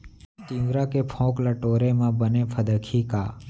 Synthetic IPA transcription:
t̪ĩːʋɾaːkepʰõːklaːʈoːɾeːmãːbəneːpʰəd̪əkʰiːkaː

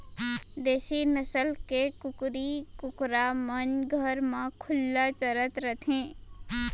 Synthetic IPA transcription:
d̪eːsinəsəlkekʊkɾikʊkɾamənɡʱəɾmãkʰʊlːat͡ʃəɾət̪ɾət̪ʰẽː

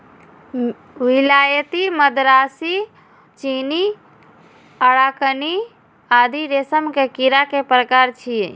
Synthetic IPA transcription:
ʋilajət̪iməd̪ɾasi | t͡ʃini | əɽakəni | ad̪ʱiɾesəmkekiɾakepɾəkaɾt͡ʃʰie

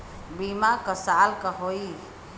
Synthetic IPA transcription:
bimakəsaːlkəɦoi

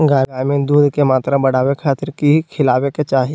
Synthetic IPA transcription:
ɡaːaːjmẽd̪uːd̪kemaːt̪ɾabɐɽaːwekʰaːt̪ɪɾkikʰɪlaːweket͡ʃaːɦij

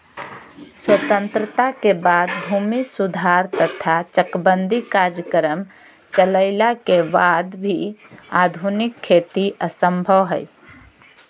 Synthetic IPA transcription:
swət̪ə̃nt̪ɾət̪akebad̪bʱumisud̪ʱaɾt̪ət̪ʰat͡ʃəkbənd̪ʱikaɾd͡ʒəkəɾəm | t͡ʃələɪlakebad̪bʱiad̪ʱunikʰːet̪iʔəsəmbʱəʋɦə̰j

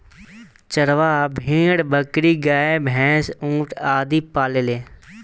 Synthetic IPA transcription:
t͡ʃəɾʋaːbʱĩːɽbʱəkɾiːɡaːebʱɛ̃ːsũːʈaːd̪iːpaːleːleː

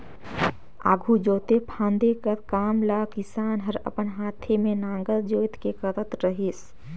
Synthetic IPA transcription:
a̰ːɡʱud͡ʒoːt̪epʰãːnd̪ekəɾkaːmlaːkɪsaːnɦəɾə̰pənɦaːt̪ʰemẽnãːŋɡəld͡ʒoːɪt̪kekəɾət̪ɾəɦis

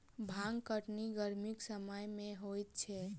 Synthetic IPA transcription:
bʱãŋkəʈniɡəɾmiksəməjmẽɦojt̪̚t͡ʃʰɛ

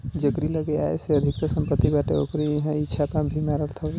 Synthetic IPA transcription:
d͡ʒəkɾiləɡeaeseəd̪ʱɪkt̪əsə̃mpət̪ːibaʈeo̰kɾijəɦãit͡ʃʰapabʱimaɾəlt̪ʰə

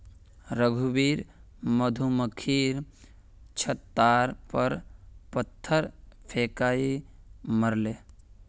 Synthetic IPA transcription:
ɾəɡʱubiːɾ | məd̪ʱuməkʰiːɾ | t͡ʃʰət̪ːaːɾpəɾpət̪ʰːəɾpʰeːkaːiməɾleː

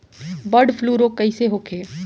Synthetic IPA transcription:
bəɖfʰluːɾokɐiseɦoːkʰeː

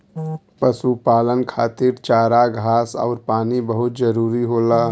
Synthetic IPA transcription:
pəsupaːlənkʰaːt̪iɾt͡ʃaːɾaɡʱaːsɔ̰ːɾpaːnibəɦʊt̪̚d͡ʒəɾuːɾiɦoːla

